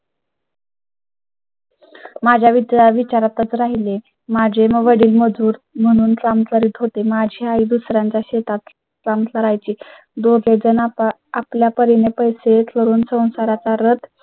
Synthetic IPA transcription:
mad͡ʑʱjaʋid̪jaʋit͡ɕaɾat̪ət͡sɾaɦile | mad͡ʑʱeməʋəɽiːlməd͡zuːɾm̤əɽ̃uːnt͡samt͡s̪ləɾiːt̪ɦot̪emad͡ʑʱjaaid̪usɾjaɲt͡ɕjaɕet̪at̪ | t͡samləɾajt͡ɕiː | d̪oɡʱed͡zənaapljapəɾinepəjset̪ʰləɾuːnsə̃w̃saɾat͡saɾət̪ʰ

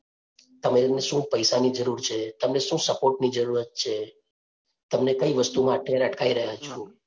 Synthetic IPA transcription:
t̪əmeneʃũpəjsanid͡ʒəɾuɾt͡ʃʰet̪əmneʃũsəpoɾʈnid͡ʒəɾuɾət̪̚t͡ʃʰe | t̪əmnekəiʋəst̪umãəʈʰjaɾəʈkʰaiɾəɦjat͡ʃʰũ

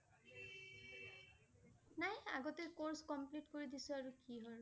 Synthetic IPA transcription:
naja̰ɡɔtekoɹskɔmplitkoɹid̪isɔaɹukiɦɔɹ

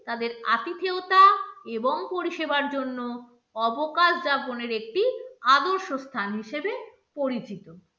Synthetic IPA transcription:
t̪ad̪eɾa̰t̪it̪ʰeot̪aeboŋpoɾiʃebaɾd͡ʑonːo | ɔbokaʃd͡ʑaponeɾek̚ʈiad̪oɾʃost̪ʰanɦiʃebe | poɾit͡ɕit̪o

